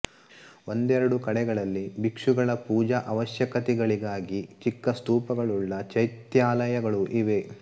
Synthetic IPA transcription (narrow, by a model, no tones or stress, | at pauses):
o̞nd̪ɛɾɐɽukɐɽɛɡɐɭɐlːibikʂuɡɐɭɐpuːd͡ʒɐʔɐʋɐʃjɐkɐt̪ɛɡɐɭiɡaːɡit͡ʃikːɐst̪uːpɐɡɐɭuɭːɐt͡ʃɐjt̪jaːlɐjɐɡɐɭuʔiʋe̞